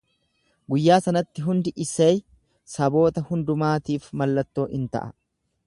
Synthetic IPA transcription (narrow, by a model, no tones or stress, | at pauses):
ɡʊjːaːsɐnɐt̪ːɪɦʊnd̪ɪʔɪsej | sɐbo̞ːt̪ɐhʊnd̪ʊmaːt̪iːfmɐlːɐt̪ːo̞ːʔɪnt̪ɐ̰ʔɐ̰